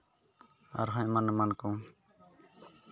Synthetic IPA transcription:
a̰ɾɦãɲmanmankɔ̃

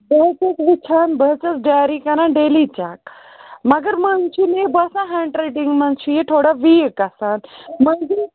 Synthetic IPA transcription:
bəɦt͡set͡sʋit͡ɕʰanbəɦt͡sət͡sɖajɾikaɾãɖelit͡ɕak | məɡəɾmənt͡ɕʰinebəsãɦãɳʈɾeʈiŋɡmənt͡ɕʰujet̪ʰoɽaʋiːkasãnm̤əɳd͡ʑe

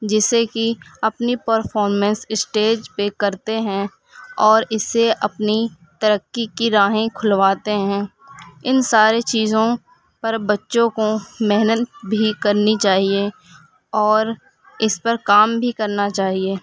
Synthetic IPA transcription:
d͡ʒɪsekiɐpnipəɾfʰɔːɾmɛ̃nsɪsʈeːd͡ʒpekɐɾt̪eɦɛ̃ | ɔːɾɪseʔɐpni | t̪əɾəkːikiɾaːɦẽkʰʊlʋaːt̪eɦɛ̃ː | ɪnsaːɾet͡ʃiːzõ | pɐɾbɐtːʃõkomɪɦnət̪bʱikɐɾnit͡ʃaːɦie | ɔːɾ | ɪspɐɾkaːmbʱikɐɾnat͡ʃaːɦieː

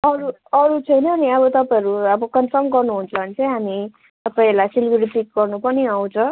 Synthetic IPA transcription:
ʌɾu | ʌɾut͡sʰʌjnʌːniʌβʌt̪ʌpajʌɾuʌbʌkʌnfʌmɡʌrnuɦunt͡sʌʌnit͡sʌj̃ɦami | t̪ʌpaĩelajsilɡjuɾipik̚ɡʌrnupʌniaw̃t͡sʰʌ̃

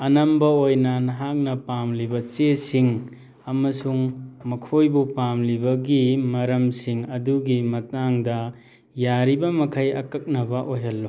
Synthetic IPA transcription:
ɐnɐmbɐojnɐnɐɦak̚nɐpamlibɐt͡ʃesiŋ | ɐmɐsuŋmɐkʰojbupamlibɐɡimɐɾɐmsiŋɐduɡimɐtaŋdɐ | jaɾibɐmɐkʰɐjɐkɐk̚nɐbɐʔoɦɐlːo

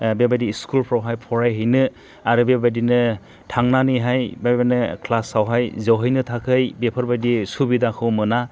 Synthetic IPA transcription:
bebajdiːskulpʰɾawɦajpʰɔɾajɦɯjnɯ | aɾɯbebajdinɯ | tʰaŋnanɯjɦajbabanɯkʰlasawɦajzawɦɯjnɯtʰakʰɯjbepʰɯɾbajdisubidakʰɯwmɯna

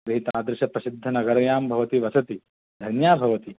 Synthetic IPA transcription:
ɾɐɦit̪aːd̪ɾɪʃɐpɾɐsid̪ʱːɐnɐɡɐɾɐjaːmbʱɐʋɐt̪iʋɐsɐt̪i | d̪ʱɐnjaːbʱɐʋɐt̪i

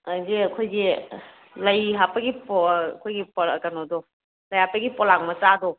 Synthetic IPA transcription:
azeɐkʰojɡe | lɐjɦapɐɡipɔkʰojɡipɔkanɔdɔ | lɐjhapɐɡipɔlaŋmɐsadɔ

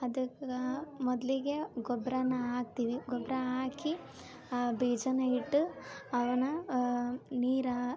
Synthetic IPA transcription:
ɐd̪ɐkɐmɔd̪liɡeɡɔbɾɐnːɐaːk̚t̪iːʋiɡɔbɾɐaːki | biːd͡ʒɐnɐiʈːuɐʋɐnɐ | niːɾɐ

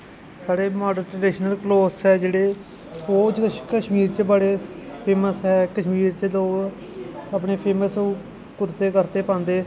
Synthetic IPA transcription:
saːɽeːmaːɖəɾʈːɖeːʃnəlkloːsɦɛːd͡ʒeːɽeː | oːt͡ʃkəʃmiːɾt͡ʃəbəɽeːpʰeːməsɦɛːkəʃmiːɾt͡ʃəloː | əp̬ɳeːpʰeːməsũː | kʊɾt̪eːkəɾt̪eːpãːnd̪eː

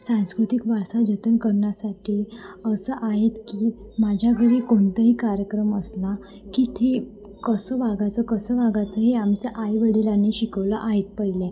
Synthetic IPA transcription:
sãskɾut̪ikʋaɾsad͡ʑʱət̪ənkəɾɳjasaʈʰiːəsəʔaɦet̪kiːmad͡ʑʱjaɡʱəɽikoɳt̪əɦiːkaɾjəkɾəməsla | kiːt̪ʰe | kəsəʋaɡat͡səkəsəʋaɡat͡səɦeamt͡ɕjaʔajʋəɽilaneɕikəʋləʔaɦet̪̚pəɦilɛ̃

